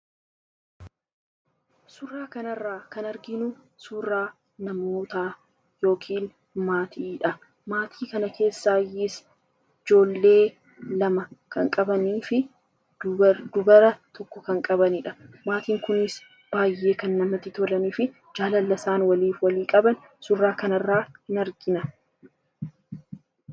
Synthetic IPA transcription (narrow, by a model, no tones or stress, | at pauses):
sʊrːaːkɐnɐrːaːkɐnɐɾɡɪnʊsuːraː | nɐmoːt̪aː | jo̞ːkʰiːn | maːt̪ʰiːᶑɐ | maːt̪ʰiːkɐnɐkʰe̞ːsːaːjːɪs | ɪd͡ʒo̞ːlːe̞ː | lɐmɐkɐŋkʼɐbɐniːfɪ | dd̪ʊbɐɾɐt̪ɔkːɔkɐŋkʼɐbɐniᶑɐmaːt̪iːŋkʊnɪs | b̥aːjːe̞ːkɐnːɐmɐt̪ːɪt̪ɔlɐniːfɪ | d͡ʒaːlɐlːɐsaːnwɐliːfwɐliːkʼɐbɐn | sʊrːaːkɐnɐrːaːhɪnɐɾɡɪnɐ